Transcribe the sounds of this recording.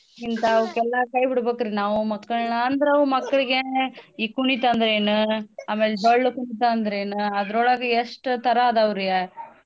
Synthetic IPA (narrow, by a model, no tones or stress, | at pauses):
int̪ɐːʋkɛlːɐkɐjbiɽbeːkɐɾinaːʋumɐkːɐɭnɐːnd̪ɐɾɐʋumɐkːɐɭiɡeiːkuɳit̪ɐːnd̪ɾeːnuaːmeːleɖɐɭːukuɳit̪aːnd̪ɐɾeːnuɐd̪ɐɾoːɭɐɡɐeʂʈt̪ɐɾɐːd̪ɐːʋɾiɡe